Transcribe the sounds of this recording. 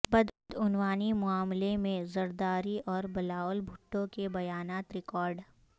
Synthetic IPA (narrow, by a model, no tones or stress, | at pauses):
bɐd̪d̪ʊnwaːnimʊaːmlemẽzɐɾd̪aːɾiʔɔːɾbɐlaːʋlbʱʊʈːõkebɐjaːnaːt̪ɾɪkɔːɾɖ